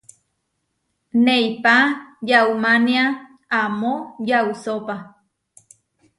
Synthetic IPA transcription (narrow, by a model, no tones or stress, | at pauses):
neipajaumania | amojausopa